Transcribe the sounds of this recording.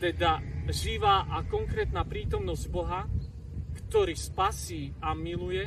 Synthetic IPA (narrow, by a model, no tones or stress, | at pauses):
t̪ɛd̪aʒiʋaːʔakɔŋkɾɛːt̪naːpɾiːt̪ɔmnɔzɟbɔɦa | kt̪ɔɾiːspasiːamilujɛ